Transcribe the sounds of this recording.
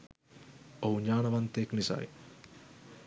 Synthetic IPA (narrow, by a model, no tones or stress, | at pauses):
ouɲaːnɐʋɐnt̪eːknisa̰ːj